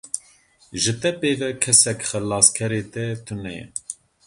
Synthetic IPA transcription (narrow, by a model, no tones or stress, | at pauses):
ʒɨt̪ɛpeːvɛkʰɛsɛkxɨlːɑːskʰɛɾeːt̪ɛt̪ʰunɛjɛ̰